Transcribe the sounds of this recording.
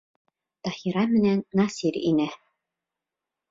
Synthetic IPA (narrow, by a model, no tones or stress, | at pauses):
t̪ɑhiɾɑmɘ̆nænːɑsiɾḭnæ